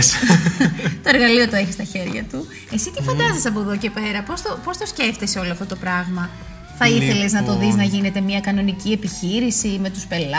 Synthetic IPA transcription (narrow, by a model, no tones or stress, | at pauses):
t̪o̞eɾɣɐlio̞t̪oe̞çist̪ɐçe̞ɾʝɐ̰t̪u | e̞sit̪ifɐnd̪ɐsesɐp̬o̞ðo̞ce̞pe̞ɾɐpo̞st̪opo̞st̪osce̞ft̪eseo̞loɐft̪ot̪o̞pɾɐɣmɐ | θɐiθe̞le̞znɐt̪o̞ðiznɐʝine̞t̪e̞miɐkɐno̞nicie̞piçiɾisime̞t̪uspe̞l